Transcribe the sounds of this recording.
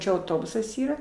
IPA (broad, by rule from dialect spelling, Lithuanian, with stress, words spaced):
ˈt͡ʃʲɛ ɐʊˈtoːbʊsɐs ˈiːrɐ